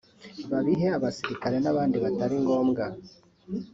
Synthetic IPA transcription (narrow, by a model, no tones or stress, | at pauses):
βaβiɦe̞aβasiɾikaɾe̞naβaːndiβataɾiŋɡo̞ːmɡa